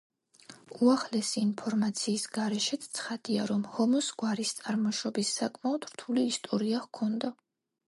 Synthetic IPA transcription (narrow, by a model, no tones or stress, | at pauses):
uaχlɛsiːnpʰɔɾmat̪sʰiːsɡaɾɛʃɛt̪t̪sʰχad̪̥iaɾɔmhɔmɔsɡwaɾist̪sʼaɾmɔʃɔbisːakʼmaɔd̪̥ɾt̪ʰuliːst̪ʼɔɾiaʁkʰɔnd̪a